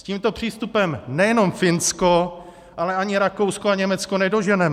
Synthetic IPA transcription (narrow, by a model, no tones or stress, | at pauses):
sciːmt̪o̞pr̥iːst̪upɛmnɛjɛno̞mfɪnsko | ʔalɛaɲɪɾakowskoaɲɛmɛt͡skonɛdo̞ʒɛnɛm